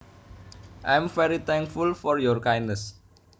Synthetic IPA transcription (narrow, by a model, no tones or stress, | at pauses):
ʔãjmfɛɾit̪ʰɛ̃ŋkfulfɔrjɔrkajnnəs